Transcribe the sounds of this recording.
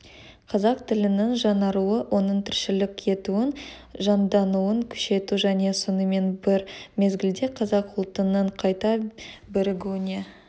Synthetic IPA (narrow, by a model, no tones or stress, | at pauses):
qʰɑzɑq̚t̪ʰɪlɪnɪŋʒɑnɑɾuəwʔo̞nəɴt̪ʰɪɾʃɪlɪkʲʰe̞t̪uɪnʒɑnd̪ɑnuəŋkʲʰʏ̥ʃe̞t̪uʒæne̞sonəme̞nbɪɾme̞zɡʲɪld̪e̞qʰɑzɑqʊlˠt̪ənəɴqʰɑjt̪ɑbɪɾɪɡʲunʲe